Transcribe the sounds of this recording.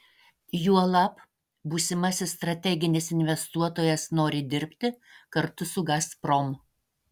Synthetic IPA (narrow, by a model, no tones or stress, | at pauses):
juɔlˠɑp | buːsʲɪmɐsʲɪst̪ɾɐt̪ʲɛɡʲɪnʲɪsɪnʲʋʲɛst̪uɔt̪oːjɛsnoːɾʲɪd̪ʲɪɾʲpʲt̪ʲɪkɐɾt̪ʊsʊɡspɾɔm